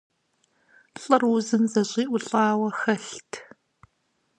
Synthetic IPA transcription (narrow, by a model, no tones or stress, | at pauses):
ɬʼɨrwʊzɨnzɐɕʼiːʔʷʊɬʼɑːwɐxɐɬtʰ